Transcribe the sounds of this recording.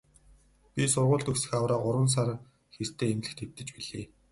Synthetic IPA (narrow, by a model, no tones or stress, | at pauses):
pʲisʊrʁʊːɮt̪ɵksɘ̆xawraːɢʊɾwə̆ns̬ar | xer̥t̪ʰeːemɮɘ̆xt̪ʰew̥t̪ɘ̆t͡ɕpiɮeː